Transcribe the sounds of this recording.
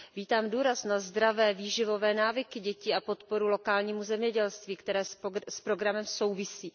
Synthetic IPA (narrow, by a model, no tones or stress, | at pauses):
viːt̪aːmduːɾasnazd̪ɾavɛːviːʒɪvo̞vɛːnaːvɪkɪɟɛciːapo̞t̪po̞ɾulo̞kaːlɲiːmuzɛmɲɛɟɛlst̪viːkt̪ɛɾɛːsspɾo̞ɡɾamɛmso̞wvɪsiː